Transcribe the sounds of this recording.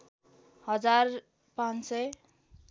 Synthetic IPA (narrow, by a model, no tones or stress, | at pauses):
hʌd͡zar | pãnse